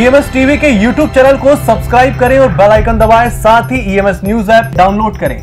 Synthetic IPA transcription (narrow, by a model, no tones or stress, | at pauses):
iemɛsʈiːʋikejuːʈjuːb̚t͡ɕɛːnəlkosɐbskɾaːɪb̚kɐɾeʋɛ̃bɐlaːikɐ̃nd̪əʋaːesaːt̪ʰiiːemesnjuːzɛːp̚ɖaːʊnloːɖkɐɾḛː